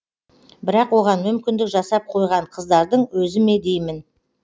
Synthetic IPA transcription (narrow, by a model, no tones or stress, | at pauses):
bɪɾɑqwo̞ʁɑnmʏmkʲɪnd̪ɪkʒɑsɑp̚qʰo̞jʁɑɴqʰəzd̪ɑɾd̪əɴwɵzɪme̞d̪e̞jmɪn